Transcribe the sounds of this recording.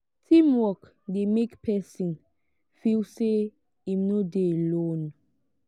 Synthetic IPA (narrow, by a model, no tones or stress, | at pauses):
tʰĩmwɔk | demekpʰɛsĩn | filse | imnodelõn